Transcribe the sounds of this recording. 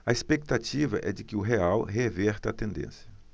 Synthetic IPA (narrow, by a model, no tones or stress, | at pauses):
ɐespek̚t̪at͡ʃivɐʔɛ̰d͡ʒɪkɪʊɦeawɦevɛɾt̪ɐt̪ẽnd̪ḛ̃sjɐ